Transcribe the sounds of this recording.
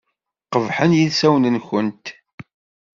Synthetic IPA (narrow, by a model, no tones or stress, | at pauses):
qəvħənjiðsæwnənçənt̪